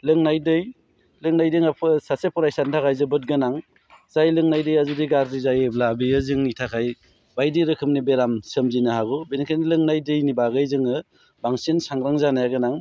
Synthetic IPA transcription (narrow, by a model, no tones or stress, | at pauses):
lɯŋnajdɯj | lɯŋnajdɯŋapʰɯsasepʰɔɾajsantʰakʰajzɯbɯt̚ɡɯnaŋ | z̥ajlɯŋnajdɯjazudiɡaɾɾizajeblabijɯzɯŋnitʰakʰaj | bajdiɾɯkʰɯmnibeɾamsɯmzinɯhaɡɔbenikʰanilɯŋnajdɯjnibaɡɯjzɯŋɯ | baŋsinsaŋɾaŋzanajaɡɯnaŋ